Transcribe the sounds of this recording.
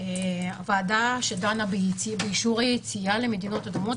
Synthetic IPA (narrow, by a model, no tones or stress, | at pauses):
eavaːdaʃedanabibeiʃuʁajet͡siale̞me̞d̪ino̞t̪ad̪umo̞